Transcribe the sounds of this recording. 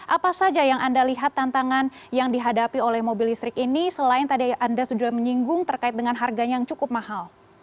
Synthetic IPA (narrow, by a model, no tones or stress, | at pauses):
ʔapasad͡ʒajaŋʔandaliɦat̪ːant̪aŋan | jaŋdiɦadapiolɛhmobilist̪ɾɪkinisəlaɪnt̪adiandasudaməɲiŋɡʊŋt̪ərkaɪt̪̚dəŋanɦarɡaɲajaŋt͡ʃukʊp̚mahal